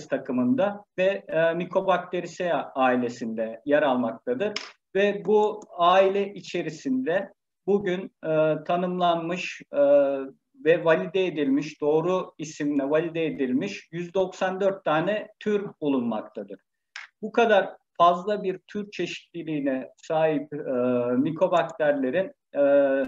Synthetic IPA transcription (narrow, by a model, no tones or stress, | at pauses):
st̪ʰakʰɯmɯnd̪avɛmikʰo̞bak̚t̪ʰe̞ɾisejaaːilʲe̞sind̪ɛjɛɾalˠmak̚t̪ʰad̪ɯɾ | vɛbuaːilʲɛʔit͡ʃʰe̞ɾisind̪ɛ | buɟynɯt̪ʰanɯmlˠanmɯʃ | vɛvalʲid̪ɛed̪ilʲmiʃd̪o̞ːɾuisiminɛvalʲid̪ɛed̪ilʲmiʃjyzd̪o̞ksand̪øɾt̪ʰːaːnɛt̪ʰyɾbulˠunma̰k̚t̪ʰad̪ɯɾ̥ | bukʰad̪aɾfazlˠabiɾt̪ʰyɾt͡ʃʰe̞ʃi̥t̪lʲilʲiːnɛsaːɦip̚ːmikʰo̞bak̚t̪ʰæɾlʲe̞ɾinː